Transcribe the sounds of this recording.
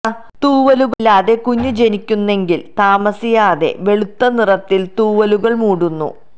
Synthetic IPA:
t̪uːʋɐluɣɐlaːðe̞kuɲːud͡ʑe̞nikʲːunːe̞ŋɡilt̪aːmɐsijaːðe̞̰ʋe̞ɭut̪ːɐnirɐt̪ːilt̪uːʋɐluɣɐɭmuːɽunːṵ

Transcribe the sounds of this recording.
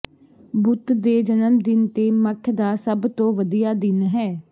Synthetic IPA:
bʊt̪d̪eːd͡ʒənəmd̪ɪnt̪eːməʈʰd̪aːsəbt̪õːʋəd̪ijaːd̪ɪnɦɛː

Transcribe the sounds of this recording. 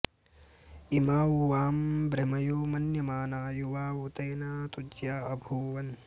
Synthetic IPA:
imaːuʋaːmbɾɐmɐjuːmɐnjɐmaːnaːjuʋaːut̪ɐjnaːt̪ud͡ʒjaːɐbʱuːʋɐn

